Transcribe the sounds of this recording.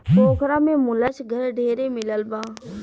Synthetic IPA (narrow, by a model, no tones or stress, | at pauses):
poːkʰɾaːmẽːmʊlət͡ʃʰɡʱəɾɖʱeːɾeːmɪləlbaː